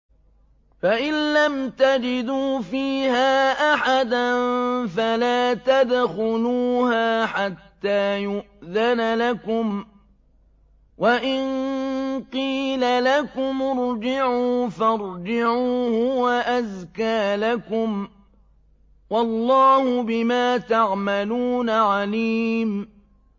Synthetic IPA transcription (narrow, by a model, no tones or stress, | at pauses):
faʔɪnlamt̪ad͡ʒɪd̪uːfiːhaːʔaħad̪anfalaːt̪ad̪xʊluːhaːħat̪ːaːjʊʔðanalakʊm | waʔɪn | qiːlalakʊmʊɾd͡ʒɪʕuːfɑɾˤd͡ʒɪʕuːhʊwaʔazkaːlakʊm | wɑlˤːɑːhʊbɪmaːt̪aʕmaluːnaʕaliːm